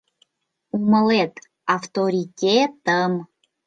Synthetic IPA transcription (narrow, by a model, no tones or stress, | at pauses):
uməlet̪ | aft̪oɾʲitʲet̪əm